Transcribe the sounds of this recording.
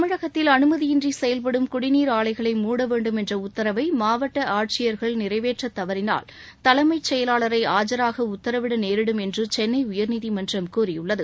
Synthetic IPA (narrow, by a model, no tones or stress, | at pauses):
ɐmɪɻɐɣɐt̪ːɪlɐnɯmɐðɪjɪndrisɛjɐlp̬ɐɽɯmkʊɽɪniːɾaːlɐɪɣɐɭɐɪmuːɽɐʋeːɳɖɯmɛndrɐʊt̪ːɐɾɐʋɐɪmaːʋɐʈːɐʔaːʈ̚t͡ʃɪjɐɾɣɐɭnɪrɐɪʋeːʈrɐt̪ːɐʋɐɾɪna̰ːl | t̪ɐlɐmɐɪt͡ʃːɛjɐlaːɭɐɾɐɪaːd͡ʒɐɾaːɣɐʊt̪ːɐɾɐʋɪɽɐneːɾɪɽɯmɛndrɯt͡ʃɛnːɐɪʊjɐɾniðimɐndrɐmkuːrɪjʊɭːɐðɯ